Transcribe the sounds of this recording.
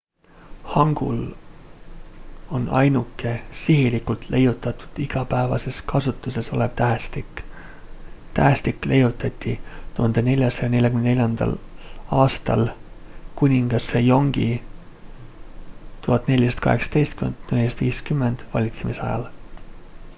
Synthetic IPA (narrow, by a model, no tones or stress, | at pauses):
hɑŋɡ̥ṵl | o̞nɑ̰jnukːˑe̞siɦilikult̪le̞jut̪ˑːɑt̪u̥d̪̥iɡ̥ɑpæevɑ̰se̞skʰɑsut̪ːˑuse̞so̞̰leb̥̚t̪æɦst̪ik | t̪æɦst̪ikːˑle̞jut̪ːˑɑt̪ʲːit̪uhɑnd̪ene̞lʲjɑsɑjɑne̞lʲjɑkynne̞lʲjɑnd̪̥ɑ̰lɑːst̪ɑ̰lkunʲiŋɡ̥ɑsejo̞ŋɡ̥i | t̪uɦɑt̪ne̞lʲjist̪kɑ̰he̞̰ksɑ̥t̪e̞jst̪̚kymend̪nelʲːist̪viːskymːend̪̥vɑ̰lʲit̪semisɑ̰jɑ̰l